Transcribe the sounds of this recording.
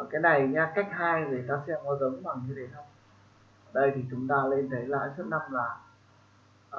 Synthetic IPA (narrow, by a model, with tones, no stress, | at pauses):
kaː˨˦jna˨˩jɲaː˧ka˦˥jk̚haː˧jze˨˩t̪aː˧sɛ̰˧˥mɔ˨˦zə˨˦ŋ͡mɓaː˨˩ŋɲɨ˧ɗe˨˩t̪ʰə˧ŋ͡m | ʔə˧˩ɗə˧jt̪ʰi˨˩t͡ɕʊ˨˦ŋ͡mt̪aː˧le˧nt̪ʰə˨˦jla̰ː˧˨jt͡ɕu˦˥t̚na˧mlaː˨˩